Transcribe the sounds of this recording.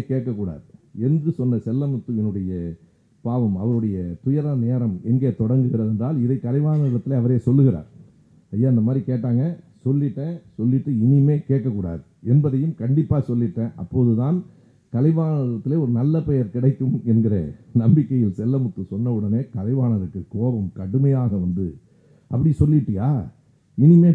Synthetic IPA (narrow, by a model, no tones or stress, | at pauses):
keːʈ̚kːɐkːuːɽa̰ːðɯɛndrɯsɔnːɐsɛlːɐmʊt̪ːɯɛnːɯɽɐjɐ | paːʋɐmɐʋɐɾɯɽɐjɐt̪ʊjɐɾɐneːɾɐmɛŋɡeːt̪ɔɽɐŋɡɯɣɪɾɐðɛndraːlɪðɐɪkɐlɐɪʋaːnɐɾɪɽɐt̪ːɪleːɐʋɐɾeːsɔlːɯɣɪɾa̰ːɾ | ɐjːaːɪnd̪ɐmaːd̪ɾikeːʈːaːŋɡɐsɔlːɪʈːẽːsɔlːɪʈːɯɪnɪmeːkeːʈ̚kːɐkːuːɽa̰ːðɯɛnbɐðɐjɯmkɐɳɖɪpːaːsɔlːɪʈːɐ̃ːʔɐ̰pːoːðɯt̪ãːn | kɐlɐɪʋaːnɐɾɪɾɐt̪ːɪleːɔɾɯnɐlːɐpɛjɐɾkɪɽɐɪk̪ːɯmɛnɡɪɾɐ̰nɐmbɪkːɐjɪlsɛlːɐmʊt̪ːɯsɔnːɐɯɽɐneːkɐlɐɪʋaːnɐɾɯkːɯkːoːʋɐmkɐɽɯmɐjaːɣɐʋɐnd̪ɯ | ʔɐpːɐɽɪsɔlːɪʈːɯja̰ː | ɪnɪmeː